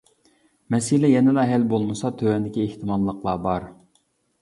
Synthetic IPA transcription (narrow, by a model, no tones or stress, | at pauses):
mɛsilɛjɛnɪlɛɦɛlbolˠmɨsɑt̪ʰøwɛnd̪ɪkʲieht̪ʰɪmɑlˠːəqlˠɑbɑɾ